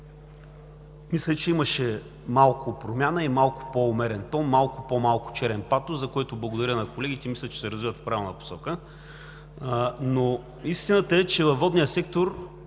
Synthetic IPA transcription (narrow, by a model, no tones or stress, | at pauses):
mislʲɛt͡ʃɛiməʃɛ | malˠkʰʊpɾomʲjanəimalˠkʊ̥poːmɛɾɛnt̪ɔnmalˠkʊpomalˠkʊ̥t͡ʃɛɾɛnpat̪ozɐkoɛt̪ʊblˠɐɡʊd̪ɐɾʲənɐkolɛɡʲit̪ɛmislʲət͡ʃɛ̥sɛɾɐzvivət̪fpɾavʲɛlˠnəpo̥sɔkə | no | ist̪inət̪əɛt͡ʃɛvɐvvːɔd̪nijəsɛk̚t̪oɾ